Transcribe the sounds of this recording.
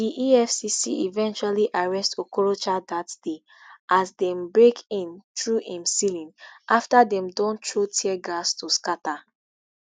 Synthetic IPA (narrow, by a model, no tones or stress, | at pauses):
diʔiɛfsisḭivɛ̃nt͡ʃualiʔaɹɛstʰokoɹot͡ʃadatd̥e | ʔasdɛ̃mbɹekʰĩntɹuʔɛ̃msilĩnʔaftadɛ̃mdɔ̃ntʰɹotʰiɛɡastuskata